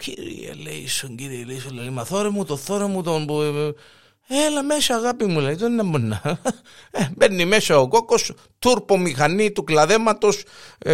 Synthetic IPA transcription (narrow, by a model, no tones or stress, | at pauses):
cʰḭɾḭḛlḛḭsoɲɟiɾieleisolːelimɐθoɾemut̪oθoɾemut̪ombu | elɐmesɐːɣapimuleit̪onːembonːa | ebenːimesɐokokos | t̪uɾpomixanːit̪uklɐðemɐt̪os